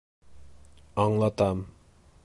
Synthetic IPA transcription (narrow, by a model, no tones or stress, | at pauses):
ɑŋlˠɑt̪ɑm